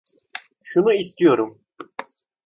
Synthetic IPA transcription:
ʃunuist̪ijo̞ɾum

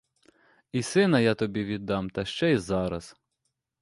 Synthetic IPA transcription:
isɪnɐjɑt̪ɔbʲiʋʲid̪ːɑmt̪ɐʃt͡ʃɛizɑɾɐz̥

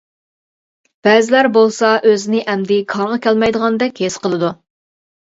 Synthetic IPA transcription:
b̥ɛzɪlæɾbolˠsɑʔøzɪnɪʔɛmd̪ɪkʰɑɾʁɑkʲʰɛlmɛjd̪əʁɑnd̪ɛkʲhesqəlˠɨd̪u

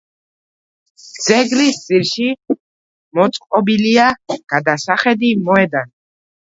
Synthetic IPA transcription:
d̪z̥ɛɡɾisd̪z̥iɾʃi | mɔt̪sʼqʼɔbiliaɡ̥ad̪asaχɛd̪imɔɛd̪an

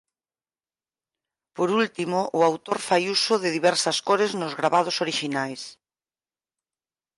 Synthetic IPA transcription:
poɾult̪imoʔʊawt̪oɾfajusʊðɪðiβɛɾsɐskoɾɪznʊzɣɾaβað̞osoɾiʃinajs

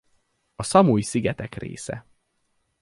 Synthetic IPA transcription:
ɒsɒmujisiɡɛt̪ɛkrḛːsɛ̰

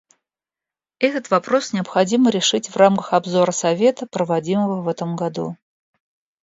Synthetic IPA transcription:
ɛt̪ət̪vɐpɾo̞snʲɪəpxɐdʲiməɾʲɪʂɨtʲvramkəxɐbzo̞ɾəsɐvʲe̞t̪əpɾəvɐdʲiməvəvɛt̪əmɡɐd̪ṵ

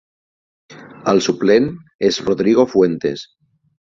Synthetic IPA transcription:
alsuplenezroðɾiɣ̞o̞fwe̞nt̪e̞̰s

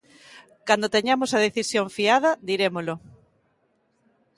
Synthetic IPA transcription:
kand̪ot̪eɲamosɐðeθisjoɱfiað̞ɐd̪iɾemolo

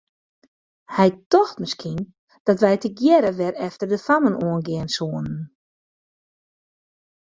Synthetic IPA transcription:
hɛjtɔxtməskʰin | d̥ɔtʋɛjtəɡjɛɾəʋɛrɛftərdəfamənʔoənɡɪənsoənən

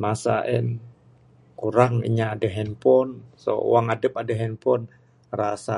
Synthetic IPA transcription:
masaʔɛn | kuɾaŋḭɲaːdaɦɛnpɔnso̰waŋadəpadaɦɛnpɔn | rasa̰

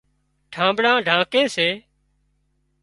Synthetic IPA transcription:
ʈʰãːmbɽãːɖʱãːkẽːseː

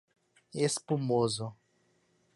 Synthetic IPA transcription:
esi̥pumoːzɔ

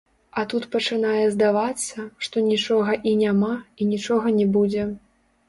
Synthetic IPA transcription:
ɐt̪ut̪pɐt͡ʂɨnajɛzd̪avat̪sːɐʂt̪ɔnʲit͡ʂɔɣɐʔinʲamainʲit͡ʂɔɣɐnʲɛbud͡zʲɛ

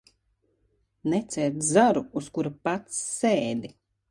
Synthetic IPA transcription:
nɛt̪sʲɛːt̪zaɾuuskuɾapat̪sːeːd̪i

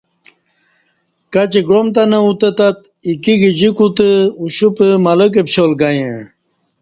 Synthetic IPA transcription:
kat͡ɕiɡomt̪ɐnɐut̪ət̪at̪̚ | ikiɡid͡ʑikut̪əuɕupəmalək̬epɕolɡajẽ

